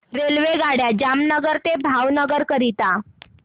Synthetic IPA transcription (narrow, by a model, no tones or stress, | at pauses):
ɾelʋeɡaɽjad͡ʑamnəɡəɾt̪ebʱaʋnəɡəɾkəɾit̪a